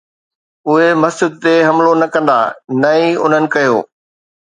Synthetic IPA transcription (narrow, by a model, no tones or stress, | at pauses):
ʊɦemɐsd͡ʑɪd̪̚t̪eɦɐmlonɐkɐ̃nd̪a̰ːnɐiʊ̰n̤ənɪ̆kɐjo̰ː